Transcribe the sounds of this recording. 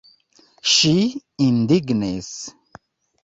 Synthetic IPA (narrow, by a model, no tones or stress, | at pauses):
ʃiind̪iɡnes